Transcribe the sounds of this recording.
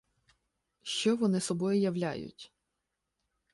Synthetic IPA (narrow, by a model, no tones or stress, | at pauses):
ʃt͡ʃɔʋɔnɪsɔbɔjʊjɐwlʲa̰jʊ̰tʲ